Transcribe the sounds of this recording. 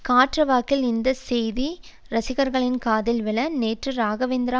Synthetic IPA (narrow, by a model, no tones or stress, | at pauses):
kaːʈrɐʋaːkɪlɪnd̪ɐsɛjði | ɾɐsɪɣɐɾɣɐɭɪnkaːðɪlʋɪlɐneːʈrɯɾaːɣɐʋeːnd̪ɪɾa